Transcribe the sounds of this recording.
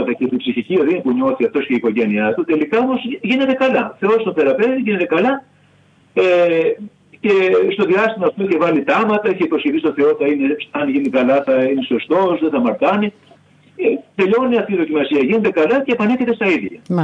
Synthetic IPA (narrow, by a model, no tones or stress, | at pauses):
t̪ɐcet̪ibsiçicioðinipuɲo̞θiɐft̪o̞sceiko̞ʝe̞niɐt̪ut̪e̞likɐomo̞zʝine̞t̪e̞kɐlɐθe̞o̞st̪oθe̞ɾɐpeviʝine̞t̪e̞kɐlɐ | e | ce̞st̪o̞ðiɐst̪imɐːft̪oiçevɐlit̪ɐmɐt̪ɐiçeipo̞sçeθist̪o̞θe̞o̞θɐine̞sɐnʝinikɐlɐθɐineso̞st̪o̞sðeθɐmɐɾt̪ɐni | et̪e̞ʎo̞niɐft̪iðo̞cimɐsiɐʝine̞t̪e̞kɐlɐce̞ːpɐneçet̪e̞st̪ɐiðʝɐ̰